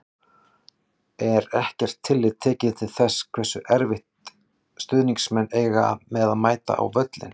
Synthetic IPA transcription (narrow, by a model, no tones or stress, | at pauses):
ɛɾɛhcɛr̥t̪ʰːɪlːɪðt̪ʰːɛːcɪðt̪ʰɪlθɛsːkʰv̥ɛsʏʔɛɾvɪht̪ | st̪ʏðniŋsmɛnːeːjɣamɛðaðmaːjt̪a̰ʔa̰wvœt̪lɪ̰n